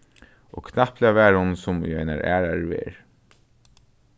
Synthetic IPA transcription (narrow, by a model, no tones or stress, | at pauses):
ɔ̰ːkʰnahplɛavɛːɹʊnsʊmʏ̰ajna̰ɹʔæːɹaɹvɛ̰ːɹ